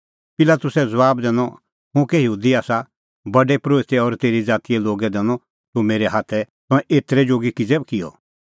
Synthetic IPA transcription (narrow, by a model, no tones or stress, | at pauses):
pɪlaːt̪ʊsɛd͡zɐbaːbd̪ɛ̃ːnɔ | ɦʊ̃kɛjɐɦuːd̪iaːsa | bɐɖɛpɾoːt̪ɛɔːɾt̪eːɾid͡zaːt̪ijɛloːɡɛd̪ɛːnɔ̃ | t̪ʊmeːɾɛɦaːt̪ʰɛ | t̪ʊ̃ɛ̃ʔeːt̪ɾɛd͡ʒoːɡikid͡zɛbkɪɔ̰